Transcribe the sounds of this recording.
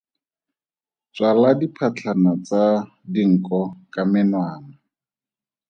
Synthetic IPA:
t͡swaladipʰat͡ɬʰanat͡sa | diŋ̩kʼɔkamɪnwaːna

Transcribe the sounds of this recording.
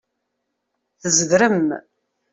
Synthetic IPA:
θəzðɾəm

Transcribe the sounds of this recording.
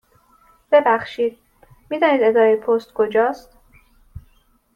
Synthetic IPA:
b̥e̞bæxʃiːd̪̥̚ | miːd̪ɒːniːd̪e̞d̪ɒːɾejpʰost̪kʰod͡ʒɒːst̪

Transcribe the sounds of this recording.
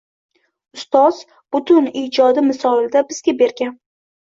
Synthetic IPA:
ʊst̪ɒz̥ | b̥ʊt̪ʰʊnid͡ʒɒd̪ɪmɪsɒɪld̪abɪzɡʲabe̞ɾɡʲan

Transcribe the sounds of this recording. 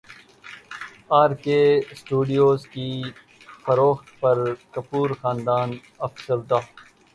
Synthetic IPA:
aːɾkeːsʈuːɖijoːzkiː | fɐɾoːxt̪pɐɾkɐpuːɾxaːnd̪aːn | ɐfsɐld̪aː

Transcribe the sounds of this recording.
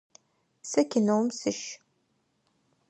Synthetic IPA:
sɐkʲʰɪnɐwmsɨʃ

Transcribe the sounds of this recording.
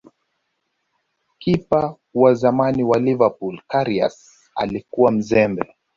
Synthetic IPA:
kipa | wazamaniwalivapulkaɾia̰s | a̰likuwam̩zɛmbɛ

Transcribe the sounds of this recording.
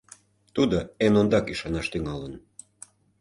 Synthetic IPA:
t̪ud̪oenond̪ɑkiʃɑnɑʃt̪yŋɑlən

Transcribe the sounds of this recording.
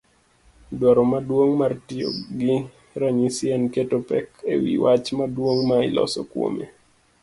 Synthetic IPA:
dwaɾomadwoŋmartio̰ɡi | ɾaɲisiɛnketopɛ̰kḛwḭwat͡ʃmadwoŋmailɔ̰sɔ̰kwo̰mḛ

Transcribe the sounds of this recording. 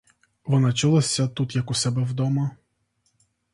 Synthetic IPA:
ʋɔnɑt͡ʃɪlˠɐsʲːɐt̪ut̪jɐkusɛbɛwd̪ɔmɐ

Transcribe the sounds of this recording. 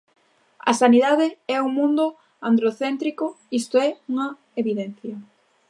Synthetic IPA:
ɐ̰saniðaðɪɛuŋmũnd̪ʊ | and̪ɾoθent̪ɾiko | ist̪oɛuŋɐ | eβiðɛnθjɐ

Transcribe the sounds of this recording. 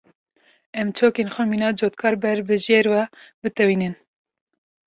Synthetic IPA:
ɛmt͡ʃʰoːkeːnxʷɛmiːnɑːd͡ʒoːt̪kʰɑːɾbɛɾbɨʒeːɾwɛbɨt̪ɛwiːnɨn

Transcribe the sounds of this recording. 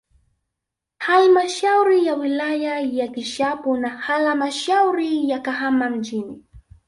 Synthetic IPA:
halmaʃawɾɪjawɪlajajakɪʃapʊnahalamaʃawɾɪjakahamamd͡ʒɪnɪ

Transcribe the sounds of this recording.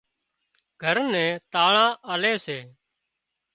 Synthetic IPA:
ɡʱəɾnɛ̃ːt̪aːɳãːʔəleːseː

